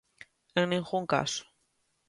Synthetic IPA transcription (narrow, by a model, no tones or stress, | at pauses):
ẽŋnĩŋɣuŋka̰sʊ̥